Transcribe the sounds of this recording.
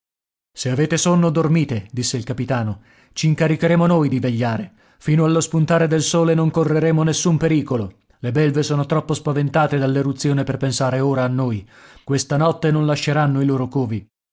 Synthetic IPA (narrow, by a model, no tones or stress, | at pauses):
seaveːt̪esonːod̪ormiːt̪ed̪isːeilkapit̪aːno | t͡ʃiŋkaɾikeɾeːmonojd̪iveʎːaːɾe | fiːnoalːospunt̪aːɾed̪elsoːlenoŋkorːeɾeːmonesːumpeɾiːkolo | lebɛlvesoːnot̪ɾɔpːospavent̪aːt̪ed̪alːeɾut̪sːjoːneperpensaːɾeoːɾaːnːoːj | kwest̪anɔt̪ːenonlaʃːeɾanːoiloːɾokoːvi